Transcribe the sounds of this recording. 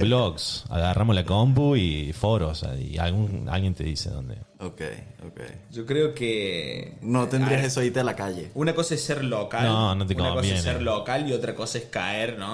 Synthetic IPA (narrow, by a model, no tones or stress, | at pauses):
bloksa̰ɣarʔamoslakomp̬uifoɾosa̰ḭa̰lɣuŋa̰lɣjent̪eðisḛðo̰nd̪eokḛjo̰kḛjʒokɾeoke | not̪end̪iasesoaiɾt̪ealakaʝḛunakosaesːeɾlokanlõnot̪eukonamkobjsenseɾlokaliot̪ɾakosaeskaeɾno